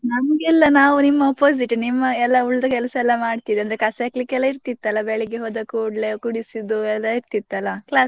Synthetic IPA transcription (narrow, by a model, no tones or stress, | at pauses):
nɐmɡɛlːɐnaːʋunimːɐɐpoːs̬iʈnimːɐɛlːɐuɭːd̪ɐkɛlɐsɐɛlːɐmaːɖt̪id̪eɐnd̪ɾekɐseklikːɛlːɐiɾt̪it̪ːɐlːɐbɛɭeɡeɦoːd̪ɐkuːɖlekuɽisid̪uɛlːɐiɾt̪it̪ːɐlːɐklaːs